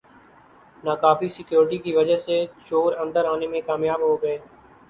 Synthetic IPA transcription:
naːkaːfiːsɪkjoːɾʈiːkiːʋəd͡ʒəɦseːt͡ʃoːɾə̃nd̪əɾaːneːmẽkaːmjaːbɦoːɡəeː

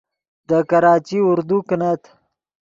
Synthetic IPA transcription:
d̪əkɐɾɑːt͡ʃiʊɾd̪uknat̪

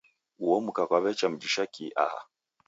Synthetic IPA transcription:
uwɔmukakaβɛt͡ʃam̩d͡ʒiʃakiʔa̰ha̰

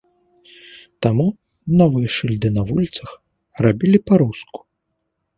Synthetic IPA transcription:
t̪amu | nɔvɨjɛʂɨlʲd̪ɨnɐvulʲit̪sɐx | rabʲilʲipaɾusku̥

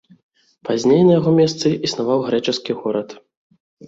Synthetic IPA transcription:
pazʲnʲejnɐjaɣɔmʲɛst̪sɨʔisnavawɣɾɛt͡ʂɛskʲiɣɔɾɐt̪

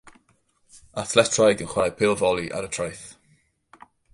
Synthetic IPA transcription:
aθlɛtʰrajɡənχwajpʰɪlˠvɔlˠiʔa̰ɾətʰrajθ

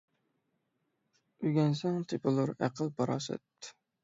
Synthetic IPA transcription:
yjɡʲɛnsɛŋt̪ʰepɨlˠuɾæqʰəlˠbɑɾɑ̰sɨ̰t̪

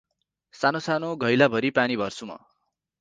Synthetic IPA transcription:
sanosanoɡʱʌjlabʱʌɾipanibʱʌrsuma̰

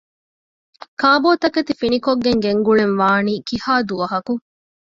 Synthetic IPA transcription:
kaːboːt̪ɐkɐt̪ifinikoɡːeŋɡeŋɡuɭenʋaːniːkihaːd̪uʋɐɦɐku

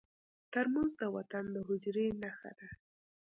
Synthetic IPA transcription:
t̪əɾmanzd̪əwat̪and̪əɦʊd͡ʒɾenaxa̰d̪a

